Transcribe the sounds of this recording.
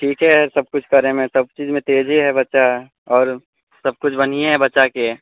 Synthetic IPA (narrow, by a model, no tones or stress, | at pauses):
ʈʰiːkɦɛsɐb̚kʊt͡ʃʰkɐɾemẽsɐb̚t͡ʃiːzmẽt̪eːd͡ʒʱeɦɛbɐtːʃa | ɔːɾ | sɐb̚kʊt͡ʃʰbɐniɦɛbɐtːʃake